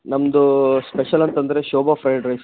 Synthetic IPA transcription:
nɐmd̪uspeʃɐlɐnt̪ɐnd̪ɐɾe̞ːʃɔːbafʰɾɐjɖɾɐjs

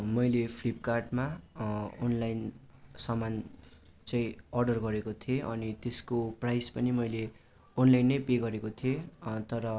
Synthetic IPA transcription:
mʌjlepʰlip̚karʈma | onlajn | sʌman | t͡sʌĩʌrɖʌrɡʌɾekot̪ʰieʔʌnit̪eskoprajspʌnimʌjle | onlajnːʌjpeɡʌɾekot̪ʰiet̪ʌɾʌ

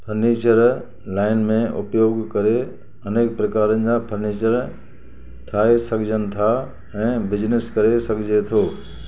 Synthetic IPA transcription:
pʰɐɾneːt͡ɕəɾ | laːɪnmẽʔʊpjoːɡkɐɾe | ɐneːk̚pɾɐkaːɾənɪ̆d͡ʑapʰɐɾneːt͡ɕəɾ | ʈʰaːesɐkʰɪd͡ʑənɪ̆t̪ʰa | ɛ̃ːbɪd͡ʑnɪskɐɾesɐkd͡ʑet̪ʰoː

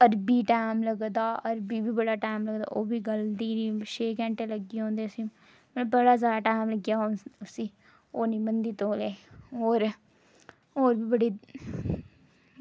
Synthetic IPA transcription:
əɾbiːʈaːmləɡd̪aːəɾbiːbʱiːbəɽaːʈaːmləɡd̪a̰ːʔoːbiːɡəlt̪iːɾiːʃeːkɛ̃ːɳʈeləɡiːɦõːnd̪eːsiː | mbəɽaːzaːd̪aːʈaːmləɡjaːosiː | oːniːbənd̪iːt̪oːleːoːɾ | oːɾbiːbəɽiː

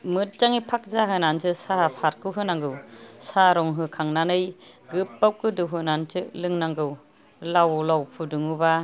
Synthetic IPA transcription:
mɯt̚t͡ʃaŋipʰak̚zaɦɯnantɯsaapʰaɾ̚kɯwɦɯnaŋɡɯwsaɾɔŋɦɯkʰaŋnanɯj | ɡɯpːawkɯdɯwɦɯnantʰɯlɯŋnaŋɡɯw | lawlawpʰudɯŋuba

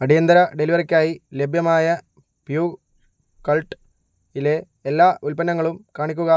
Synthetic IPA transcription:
ɐɽijɐnd̪ɐɾɐɖeliʋɐrikʲːaːjile̞bʱjɐmaːjɐ | pjuː | kɐlʈ | ile̞ː | lːaːʔulpɐnːɐŋːɐɭumkaːɳikʲːuɣɐ

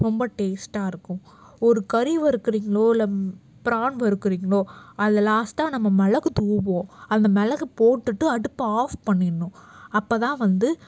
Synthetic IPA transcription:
ɾɔmbɐʈeːsʈaːɪɾɯkːʊ̃ | ɔɾɯkɐɾiʋɐɾɯkːɯɾiːŋɡɐɭoːɪlːɐ | pɪɾaːɳʋɐɾɯkːɯɾiːŋɡɐɭoːɐðɐlaːsʈːãːnɐmːɐmɛlɐkːɯt̪uːbõːɐnd̪ɐmɛlɐkːɯpoːʈːɯʈːɯɐɽɯpːɐaːfpɐɳːɪɾɳːʊ̃ɐpːɐːt̪ãːʋɐnd̪ɯ

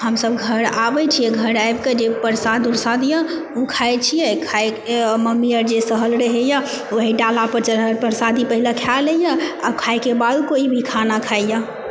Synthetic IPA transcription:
ɦəmsəbɡʱəɾabɛt͡ʃʰijɛɡʱəɾajbked͡ʒepəɾsad̪uɾsad̪ja | ukʰajt͡ʃʰijɛkʰaj | məmijəɾd͡ʒesəɦəlɾəɦeja | ʋoɦiɖalapəɾt͡ʃəɾɦəɾpəɾsad̪ipəɦilakʰaləjaabkʰajkebad̪koibʱikʰanakʰaija

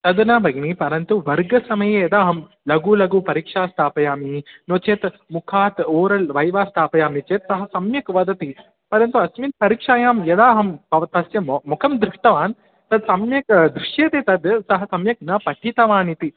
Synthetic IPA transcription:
t̪ɐd̪nɐːbɐɡnipɐɾɐnt̪uʋɐɾɡɐsɐmɐjejɐd̪aːɦɐm | lɐɡuːlɐɡuːpɐɾiːkʂaːst̪ʰaːpɐjaːminoːt͡ʃeːt̪ | mukʰaːt̪oːɾɐlʋɐjʋaːst̪ʰaːpɐjaːmit͡ʃeːt̪sɐɦɐ̆sɐmjɐkʋɐd̪ɐt̪i | pɐɾɐnt̪uɐsmint̪̚pɐɾiːkʂaːjaːmjɐd̪aːɦɐmpɐʋɐt̪ɐsjɐmukʰɐmd̪ɾɪʂʈɐʋaːn | t̪ɐd̪sɐmjɐkd̪ɾuʂjeːt̪eːt̪ɐd̪sɐɦɐsɐmjɐk̚nɐpɐʈʰit̪ɐʋaːnit̪i

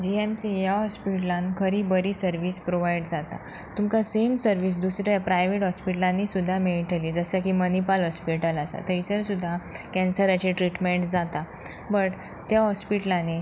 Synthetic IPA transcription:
d͡ʑiemsijaɦɔspiʈlãnkʰəɾiːbəɾiːsəɾʋiːspɾoʋajɽd͡zat̪a̰ | t̪umkasemsəɾʋiːs̬d̪usɾjapɾajʋeʈɦɔspiʈlãnːisud̪ʱːameɭʈʰəliːd͡zəsakimənipalɦɔspiʈəlasa̰t̪əjsəɾsud̪ʱːakɛ̃nsəɾat͡ɕeʈɾiʈmeɳʈd͡zat̪a | bəʈ | t̪jaɦɔspiʈəlane

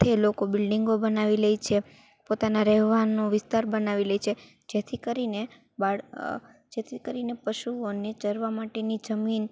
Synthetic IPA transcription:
t̪ʰelokobɪlɖiŋɡobənaʋiləjt͡ʃʰe | pot̪anaɾɛɦʋanõʋɪst̪aɾbənaʋiləjt͡ʃʰe | d͡ʒet̪ʰikəɾine | baɭ | d͡ʒet̪ʰikəɾinepəʃuonet͡ʃəɾʋamaʈenid͡ʒəmin

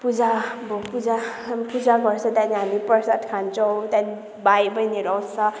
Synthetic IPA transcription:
pud͡zabopud͡zapud͡zaɡʌɾsʰʌ̃t̪janiɦamipʌɾsatkʰant͡sʰʌw̃t̪ani | bajbʌjniɾʌwsʰʌ

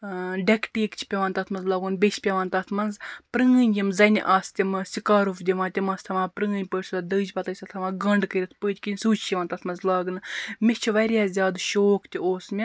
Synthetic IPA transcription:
ɖɐkʈiːkt͡ʃʰi̥pʲɐʋaːnt̪ɐt̪ʰmɐnzlaːɡunbʲet͡ʃʰʲpʲɐʋaːnt̪ɐt̪ʰmɐnzpɾɨːɨnʲjimzɐnʲʔaːst̪ʲimɨsʲikaːɾufd̪ʲiʋaːt̪ʲimɐst̪ʰɐʋaːpɾɨːɨnʲpəːʈʲsɐd̪ɨːd͡ʒpɐt̪ɐʃʲt̪ɐt̪ʰɐʋaːɡɐɳɖkəɾʲit̪ʰpəːd̪ʲkinʲsuːt͡ʃʰːiʋaːnt̪ɐt̪ʰmɐnzlaːɡɨnɨmit͡ʃʰiʋɐɾʲjaːzʲjaːd̪ʃoːkt̪ʲioːsmʲi

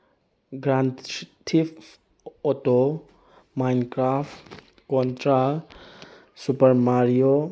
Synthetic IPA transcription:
ɡɾantʰip | ɔto | majnkɾapt | kɔntɾa | supəɾmaɾijo

